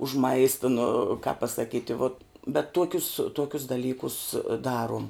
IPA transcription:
ʊʃ ˈmɐɪstɐ nʊ kɐp pɐsɐˈkʲiːtʲɪ ʋoːt bʲɛt ˈtuɔkʲʊs ˈtuɔkʲʊs dɐˈlʲiːkʊs ˈdɑːruɔm

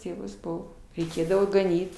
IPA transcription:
ˈtʲeːʋʊs ˈbʊʋoː rʲɛɪˈkʲeːdɐʋoː ɡɐˈnʲiːt

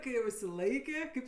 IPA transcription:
kɐɪ jɛʊ ɪʃʲsʲɪˈlˠɐɪkʲeː ˈkɐɪp

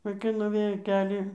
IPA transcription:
ʋɐɪˈkɐɪ nʊˈʋʲeːjoː ˈkʲæːlʲiː

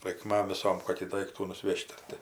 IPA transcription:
rɐɪkˈmɐm ʋʲɪˈsoːm ˈkoːkʲiː ˈdɐɪktuː nʊˈsʲʋʲɛʃʲtʲ ˈɐr tʲɪ

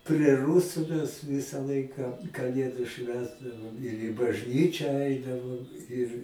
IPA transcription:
pʲrʲɛ ˈrʊsʊ mʲɛs ˈʋʲɪsɐ ˈlˠɐɪkɐ kɐˈlʲeːdʊ ˈʃʲʋʲæːzdɐʋoːm ɪr ɪ bɐʒʲˈnʲiːt͡ʃʲæː ˈɐɪdɐʋoːm ɪr

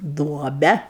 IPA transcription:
ˈduɔbʲɛ

